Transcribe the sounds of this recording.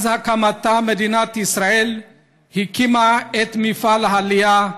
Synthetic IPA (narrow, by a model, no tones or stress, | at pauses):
zɦɐkʰamɐt̪ːamed̪inat̪isɾael | hikimaet̪mifalɦalija